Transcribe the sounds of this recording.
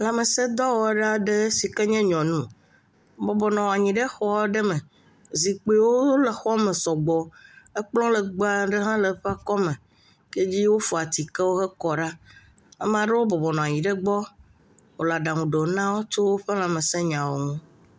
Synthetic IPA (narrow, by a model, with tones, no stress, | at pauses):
la˨me˨sɛ˦d̪ɔ˦wo˨˦ɖa˦ɖe˦si˨kɛ˦ɲɛ̃˦ɲɔ̃˨nũ˦ | bɔ˨bɔ˨nɔ̃˨a˨ɲĩ˨ɖe˦xɔ˦ɖɛ˦mɛ̃˨ | zi˨k͡pe˨wo˦le˨xɔ˦me˨sɔ˨ɡ͡bɔ˨ə˦k͡plɔ̃˦lə˨ɡ͡ba˦ɖə˦ɦã˦lə˨ɸa˦kɔ˦mẽ˨ | ke˦d͡ʑi˦wo˦fɔ˨a˨t̪i˨kɛ˦wo˦xɛ˦kɔ˨ɖa˦ | a̰˦m˦ã˨ɖe˦wo˦bɔ˨bɔ˨nɔ̃˨a˨ɲĩ˨ɖe˦ɡ͡bɔ˦ | wo˨la˨ɖa˨ŋũ˨ɖe˨nã˦wo˦t͡ʃo˦wo˦ɸe˦la˨me˨sɛ˦ɲã˨wo˨ŋũ˦